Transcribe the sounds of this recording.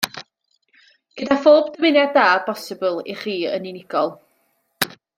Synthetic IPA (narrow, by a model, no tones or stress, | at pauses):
ɡ̥ədafoːbdəmɪnjaddaːbɔsɪbʊlˠḭχiːə̰ninɪɡ̥ɔlˠ